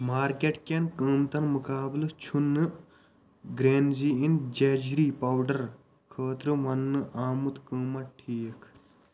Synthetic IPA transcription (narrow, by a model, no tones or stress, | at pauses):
maːɾkeʈkʲenkəːmt̪ɐnmukaːblt͡ʃʰunːɨ | ɡɾeːnziːind͡ʒɐd͡ʒɾiːpɐwɖɐɾ | kʰəːt̪ɾɨʋɐnːɨʔaːmut̪kəːmɐʈʰiːkʰ